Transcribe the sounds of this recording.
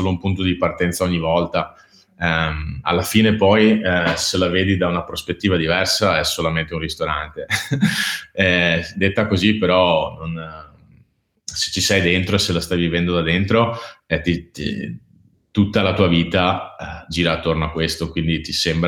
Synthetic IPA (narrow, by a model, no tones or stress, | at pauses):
oːloumpunt̪od̪ipart̪ɛnt̪saoɲːivɔlt̪a | ma̰lːafiːnepɔjselaveːd̪id̪aunapɾospet̪ːiːvad̪ivɛrsaɛsːolament̪eũnrist̪oɾant̪e | ɛd̪et̪ːakozipeɾɔnon | se̥t͡ʃːisɛjd̪ent̪ɾoeselast̪ajvivɛnd̪od̪ad̪ent̪ɾoɛt̪ḭ | t̪ut̪ːalat̪uːaviːt̪ad͡ʒiːɾaːt̪ːornoakːwest̪okwind̪it̪isembɾ